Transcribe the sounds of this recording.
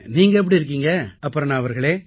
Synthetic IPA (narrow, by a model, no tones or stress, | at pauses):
niːŋɡɐɛp̬ːɐɽiɪɾɯk̬ːiːŋɡɐɐpːɯɾɐ̃nãːɐʋɐɾɣɐɭeː